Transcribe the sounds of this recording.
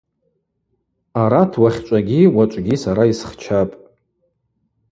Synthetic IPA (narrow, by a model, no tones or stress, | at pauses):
aɾatʰwaχʲt͡ʃʷʼaɡʲiwat͡ʃʷʼɡʲisaɾaisχt͡ʃʰapʼ